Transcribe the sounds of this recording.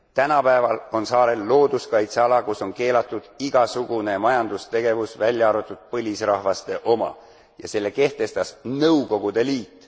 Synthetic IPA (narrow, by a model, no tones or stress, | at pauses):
t̪ænɑpæevɑlo̞nsɑːɾe̞lːo̞ːd̪̥uskɑjt̪seɑlɑkuso̞nke̞ːlɑt̪ːˑud̪̥iɡ̥ɑsuɡ̥une̞mɑjɑnd̪ust̪e̞ɡ̥e̞vusvælʲjɑɑɾut̪ːˑud̪̥̚pɤlʲisrɑhvɑst̪e̞ʔo̞mɑ̰ | jɑse̞lːe̞ke̞ht̪e̞st̪ɑsnɤwko̞ɡ̥ud̪̥e̞liːt̪ːˑ